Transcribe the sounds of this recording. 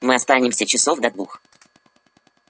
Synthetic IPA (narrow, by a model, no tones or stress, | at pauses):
mɨɐst̪anʲɪmsʲət͡ɕɪso̞vd̪ɐd̪vux